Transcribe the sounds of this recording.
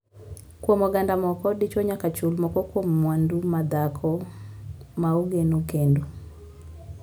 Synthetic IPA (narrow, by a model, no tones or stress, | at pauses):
kwomɔɡandamɔkɔdit͡ʃɔɲakat͡ʃulmɔkɔkwomːwandumad̪akʰɔ | mauɡenokendu